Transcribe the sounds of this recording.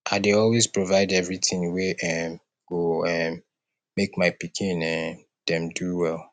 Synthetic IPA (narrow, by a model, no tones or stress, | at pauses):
ʔaɪdeɔlwezpɹovaɪdɛvɹitĩŋweʔɛm | ɡ̥oɛmː | ekmaɪpikʰĩnɛ̃ | d̥ɛ̃mduwɛlˠ